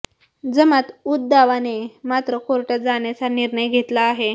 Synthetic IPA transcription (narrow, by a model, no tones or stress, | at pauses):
d͡zəmat̪ut̪̚d̪aʋanemat̪ɾəkoɾʈad͡zaɳjat͡saniɾɳəjɡʱet̪laːɦe